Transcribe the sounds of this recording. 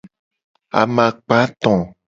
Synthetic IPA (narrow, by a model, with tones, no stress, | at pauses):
a̰˨mã˨k͡pa˨˦t̪ɔ̃˨